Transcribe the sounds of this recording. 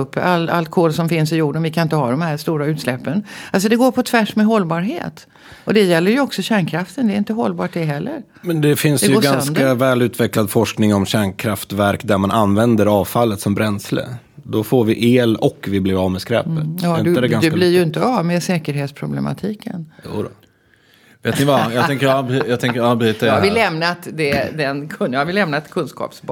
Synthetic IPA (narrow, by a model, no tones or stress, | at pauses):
ɵpːala̰lt̪̚kʰoːlsɔmfɪnsɪjuːɖənvɪkʰanɪnt̪əɦad̪ɔmhæɾst̪uːɾaʉ̟ːt̪slɛpːənals̬ɔd̪ɛɡoːɾpʰɔt̪ʰvæʂmɛɦɔlːbɑːɾɦḛːt̪ | ɔd̪ɛjɛlːəɾjɵɔksɔɕæːɳkʰɾaft̪ənd̪ɛɾɪnt̪əɦɔlːbɑːʈ̚d̪ɛɦɛlːə̰ɾ | mɛnd̪ɛfɪnsd̪ɛɡjɵoːɡɛnsd̪avɛːlʉ̟ːt̪vɛklad̪fɔʂknɪŋɔmɕæːɳkʰɾaft̪væɾkd̪æɾmanʔanːvɛnd̪əɾɑːvfalːət̪sɔmbɾɛnslə̰ | d̪ɔfoːɾvɪʔeːlɔkːvɪblɪɾavmɛskɾɛ̰ːpət̪ɑɪnd̪d̪ɛɡand̪ɛlɪɾjɪnt̪əavmeːsɛːkəɾɦeːt̪spʰɾʊblɛma̰t̪ʰiːkə̰njṵːd̪ɔ | veːt̪nɪvajɑt̪ɛŋkəɾɑbjɑt̪ɛŋkəɾɑbɾyːt̪ːavɪlːɛmnat̪d̪ɛd̪ɛnkʰɵnjɑhavɪlɛmnat̪kʰɵnskɑ̰ːpsb